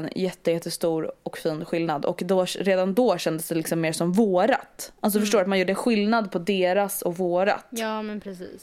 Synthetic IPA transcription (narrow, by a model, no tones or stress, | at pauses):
njɛt̪ːəjɛt̪ːəst̪uːɾɔkfiːnɧɪlnad̪ɔ̰kd̪ɔɾeːd̪and̪ɔːɕɛnd̪əsd̪ɛlɪksɔmːeːʂɔmvoːɾa̰t̪ʔals̬ɔfœʂʈoːɾat̪manjuːɖɛɧɪlnad̪pʰɔd̪eːɾasɔkvoːɾa̰t̪ːmɛnpʰɾɛsiːs